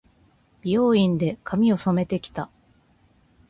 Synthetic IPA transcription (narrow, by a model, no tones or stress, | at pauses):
b̥ʲio̞ːĩnd̪e̞kʰamʲio̞so̞me̞t̪e̞kʲi̥t̪a